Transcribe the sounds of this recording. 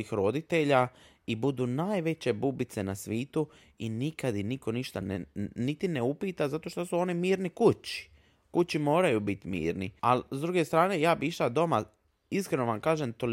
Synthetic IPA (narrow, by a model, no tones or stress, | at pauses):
ixɾo̞d̪it̪e̞ʎa | ibud̪unaːjʋe̞t͡ɕe̞bubit̪senasʋiːt̪u | inikad̪iniko̞niʃt̪annit̪ine̞upiːt̪azat̪o̞ʃt̪o̞suo̞nimiːɾnikut͡ɕi̥ | kut͡ɕimo̞ːɾajubit̪mḭːɾnḭalzd̪ɾuɡe̞st̪ɾaːne̞jaːbiʃad̪o̞ma | iskɾe̞no̞ʋamkaːʒemt̪o̞l